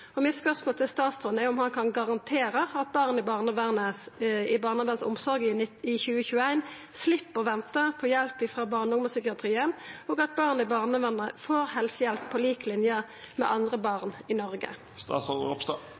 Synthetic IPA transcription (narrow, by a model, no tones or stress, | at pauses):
ɔmɪt̪spœʁsmoːlt̪ʰɪlst̪ɑːt̪st̪ʁɔnɛɔmhɑnkʰɑnɡɑʁɑnt̪ʰeːʁəɑt̪̚bɑʁnəɪbɑːʁnəʋæʁnəɪbɑːʁnəʋænsʊ̰msɔɾɡɪɪçʉːəçʉːəæɪn | slɪpːəʁʋɛnt̪əpʰɔjɛlpɪfʁɑːbɑːʁnʊŋməsʏkɪɑt̪ʁiːənɔːɡɑt̪̚bɑːʁnəɪbɑʁnəʋæʁnəfoːʁhɛlsəjɛlpʰːɔliːklɪnjə | mɛ̰ʔɑnd̪ʁəbɑʁnɪnɔʁɡə̰ | st̪ɑ̰ːsɔɔp̪ː